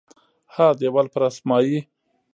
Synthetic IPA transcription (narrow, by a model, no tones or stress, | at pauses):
had̪ewalpɾasmɑji